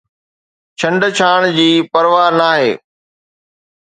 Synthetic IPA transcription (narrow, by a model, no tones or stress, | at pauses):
t͡ɕʰɐ̃ɳɖt͡ɕʰaːɽ̃d͡ʑiːpɐɾʋaːnaːɦeː